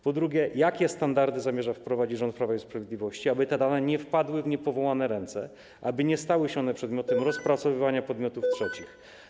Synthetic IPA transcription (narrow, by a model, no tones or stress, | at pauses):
pɔd̪ɾuɡʲɛjakʲɛst̪and̪aɾd̪ɘzamʲjɛʐafpɾɔvad͡ʑid͡ʑʐɔnt̪̚pɾavaispɾavʲed̪lʲivɔɕt͡ɕiabɘt̪ɛd̪anɛɲɛfpad̪wɘvɲɛpɔvɔwanɛɾɛnt̪sɛ̰ | ʔabɘɲɛst̪awɘɕɛɔnɛpʂɛd̪mʲjɔt̪ɛmɾɔspɾat̪sɔvɘvaɲapɔd̪mʲjɔt̪uftʂɛt͡ɕix